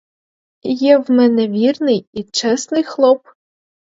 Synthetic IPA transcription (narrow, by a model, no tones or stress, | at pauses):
ijɛwmɛnɛʋʲirnɪjit͡ʃɛsnɨjxlˠɔp